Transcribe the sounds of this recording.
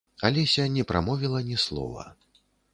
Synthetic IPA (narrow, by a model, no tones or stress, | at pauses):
alʲɛsʲanʲɛpɾʔa̰mɔvʲilˠɐnʲɛslˠɔ̰vɐ̰